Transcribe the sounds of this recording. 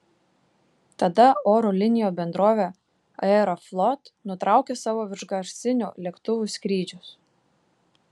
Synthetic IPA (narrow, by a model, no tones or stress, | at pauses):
t̪ɐd̪ɐoːɾulʲɪnʲɪjoːbʲɛnd̪ɾoːʋʲe | ɐɛɾoflˠɔt̪nʊt̪ɾɑˑʊkʲesɑːʋoːʋʲɪɾʒɡɐʃʲsʲɪnʲṵːlʲeɛkt̪ʊʋʲʊsʲkɾʲiːd͡ʒʲʊs